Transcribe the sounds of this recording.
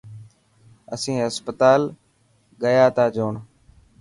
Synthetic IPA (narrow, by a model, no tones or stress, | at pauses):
əsĩːɦəspət̪aːl | ɠəjaːt̪aːd͡ʒoːɳ